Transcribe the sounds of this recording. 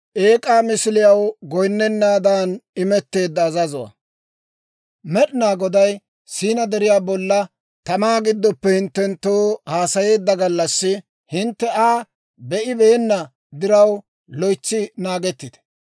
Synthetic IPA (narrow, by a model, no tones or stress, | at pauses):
ʔe̞ːkʼaːmɪsɪlɪjɐwɡɔjnːɛnːaːd̪aːnɪmɛt̪ːe̞ːd̪ːɐːzɐzɔwɐ̰ | mɛɗɪnaːɡɔd̪ɐj | siːnɐd̪ɛɾɪjaːbɔlːɐ | t̪ɐmaːɡɪd̪ːɔpːɛhɪnt̪ːɛnt̪ːoːhaːsɐje̞ːd̪ːɐɡɐlːɐsːɪ | hɪnt̪ːɛaː | bɛʔɪbe̞ːnːɐ | d̪ɪɾɐw | lɔjt͡ʃːɪnaːɡɛt̪ːɪd̪̥ɛ̥